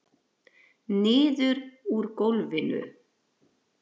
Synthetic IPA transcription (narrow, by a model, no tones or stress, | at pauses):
nɪːðʏɾuɾkowlvɪnʏ̰